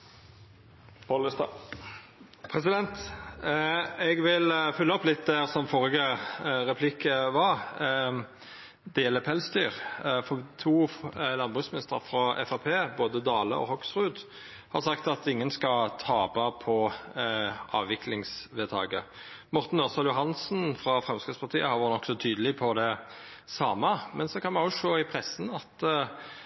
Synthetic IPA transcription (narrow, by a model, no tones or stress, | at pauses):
pʰɔɪst̪ | pʰɾɛsɪd̪ɛnt̪ | ɛɡʋɪlfʉlːəɔpːlɪt̪̚d̪æsɔmfɔʁɪɡəʁɛpʰlɪkʰːəʋɑʁ | d̪ɛjɛlːəpʰɛlsd̪yːʁfɔt̪ʰuːlɑnbʁʉsmɪnɪst̪əfʁɑɛ̰fɑpʰeːboːd̪əd̪ɑːlə̰ɔ̰hɔksʁʉːd̪ | hɑ̰ʁɾsɑkt̪ɑt̪ɪŋːənskɑt̪ʰɑːbɑpʰɔ | ʔɑ̰ːʋʋɪklɪŋsʋeːt̪ʰɑ̰ːɡəmɔɾt̪n̩ːɔʁsɑljʊɦɑnsn̩fɾɑfʁɛmskəspɑʁt̪ʰiːəhɑɾʋʊʁt̪nɔksɔt̪ʰyːd̪əlɪpʰɔd̪ɛ | sɑːməmɛnsɔkʰɑnmɑnjʊʂoːɪpʰʁɛsːn̩ɑt̪